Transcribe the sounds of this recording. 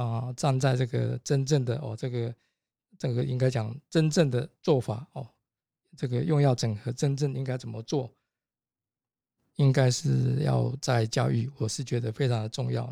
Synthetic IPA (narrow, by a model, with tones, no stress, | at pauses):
ʈ͡ʂa˥˧ŋt͡sa˥˧ɪʈ͡ʂɤ˥˩ɡə̰˨˩ʈ͡ʂə˥nʈ͡ʂə˥˩ŋd̪ə˩ʔɔ̰˥˨ʈ͡ʂɤ˥˩ɡə˩ | ʈ͡ʂə˥˩ŋɡə˧˦ʔḭ˥ŋka˥ɪt͡ɕjɑ˨˩ŋʈ͡ʂə˥nʈ͡ʂə˥˩ŋd̪ə˩t͡swɔ˥˩fa˨˩˦ɔ˨˩ | ʈ͡ʂɤ˥˩ɡə˨jʊ˥˧ŋjɑ˥˩ʊʈ͡ʂə˨˩ŋxɤ˧˥ʈ͡ʂə˥nʈ͡ʂə˥˩ŋi˥ŋka˥ɪt͡sə˨˩mə˦t͡swɔ˥˩ | i˦ŋka˥ɪʂɻ̩˥˧jɑ̰˥˧ʊt͡sa˥˧ɪt͡ɕjɑ˥˧ʊy̰˥˩wɔ˨˩ʂɻ̩˥˩t͡ɕɥɛ˧˥d̪ə˧fe˥ɪʈ͡ʂʰɑ˧˥ŋd̪ə˨ʈ͡ʂʊ˥˧ŋjɑ̰˥˩ʊ